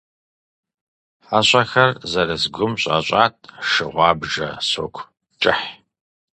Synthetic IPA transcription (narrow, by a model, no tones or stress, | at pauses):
ħaɕʷʼɐxɐrzɐɾɐzɡʷʊmɕʼa̰ɕʷʼaːtʼʂɨʁʷɑːbʒɐ̰soːkʷʰ | t͡ʃʼɪħ